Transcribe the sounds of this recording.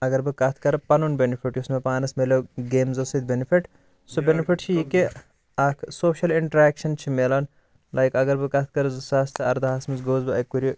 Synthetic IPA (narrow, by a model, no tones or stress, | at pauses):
ɐɡɐɾbɨkɐt̪ʰkɐɾɐpɐnunbenifʰiʈjusmepaːnɐsmelʲoɡeːmzɐsɨd̪̚benifiʈ | sobʲenifʰiʈt͡ʃʰijike | ɐkʰsoːʃɐliɳʈɐɾɛːkʃɐnt͡ʃʰimelɐn | lɐjkɐɡɐɾbɨkɐt̪ʰkɐɾɨzɨsaːst̪ʰɨɐɾd̪ɐɦaːsmizɡoːzbɨɐjkuɾʲi